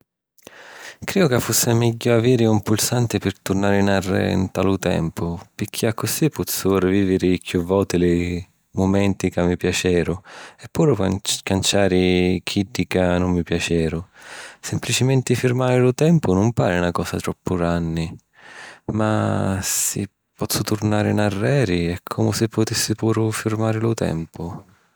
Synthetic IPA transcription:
kɾiːʊkafːusːɪmɛɟːʊaviːɾɪumpulsant̪ɪpɪɾt̪urnaːɾɪnarːɪ̰nt̪alʊt̪ɛ̰mpʊpɪkʰːiakʰːʊsipːɔt̪sːʊrɪviːvɪɾɪkʰjuvːɔt̪ɪlɪ | mʊmɛnt̪ikamːipjat͡ʃɛːɾʊɛpːuːɾʊkant͡ʃaːɾɪk̟ʰidːikanʊmːipjat͡ʃɛːɾʊsɪmplit͡ʃɪmɛnt̪ɪfiɾmaːɾɪlʊt̪ɛmpʊnʊmpaːɾɪnakɔːsat̪ɾɔpʰːʊɾanːɪ | masɪ̰ | pːɔt̪sːʊt̪uɾnaːɾɪnarːɛːɾiɛkʰːɔmʊsɪpːʊt̪isːɪpuːɾʊfiɾmaːɾɪlʊt̪ɛ̰mpʊ

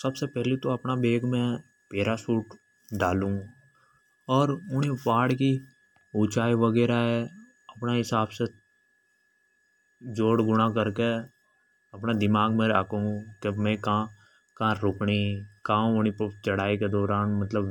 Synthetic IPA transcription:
səbsepɛɦlit̪oɐpnabeːɡmẽ | peːɾasuːʈ | ɖaːlũ | ɔːɾʊnẽpaːɽki | ut͡ʃaːiʋəɡɛːɾaɦɛ | ɐpnaɦɪsaːbse | d͡ʒoːɽɡʊɽ̃akəɾke | əpnad̪ɪmaːɡmẽakõũkemɛ̃ka | kãːɾʊkɳikãːʊnit͡ʃəɽaːiked̪ɔːɾaːnmət̪ləb

